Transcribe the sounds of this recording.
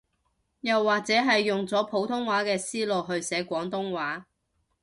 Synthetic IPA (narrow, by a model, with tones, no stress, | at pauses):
jɐ˨wːaː˨k̚t͡sɛː˨˥ɦɐ˨jːʊ˨ŋt͡sɔː˨˥pʰo˨˥wt̪ʰʊ˥ŋwaː˨˥kɛː˧siː˥lo˨wɦɵ˧ɥsɛː˨˥kʷɔː˨˥ŋt̪ʊ˥ŋwaː˨˥